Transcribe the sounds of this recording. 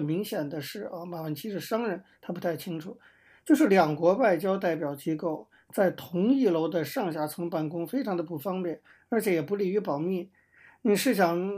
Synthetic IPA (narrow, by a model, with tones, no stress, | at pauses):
mi˧˥ŋɕjɛ˨˩nd̪ə˦ʂɻ̩˥˩ə˧˩ma˨˩wə˧˥nt͡ɕʰi˧˥ʂɻ̩˥˩ʂɑ˥ŋɻə˧˥nt̪ʰa˥pt̪ʰa˥˩ɪt͡ɕʰi˥ŋʈ͡ʂʰu˨˩˦ | t͡ɕjo˥˧ʊʂɻ̩˥˩ljɑ˨˩ŋkwɔ˧˥wa˥˩ɪt͡ɕjɑ˥ʊt̪a˥˩ɪpjɑ˨˩ʊt͡ɕi˥ko˥˩ʊ | t͡sa˥˩ɪt̪ʰʊ˧˥ŋi˥˩lo˧˥ʊd̪ə˧ʂɑ˥˧ŋɕja˧˥t͡sʰɤ˧˥ŋpa˥˩nkʊ˥ŋfe˥ɪʈ͡ʂʰɑ˧˥ŋd̪ə˧pu˧˨˩fɑ˥ŋpjɛ˥˩n | ə˞˧˥t͡ɕʰjɛ˧˥jɛ˨˩pu˧˥li˨˩y˧˥pɑ˨˩ʊmi˥˩ | ni˨˩ʂɻ̩˥˩ɕ̬jɑ˨˩ŋ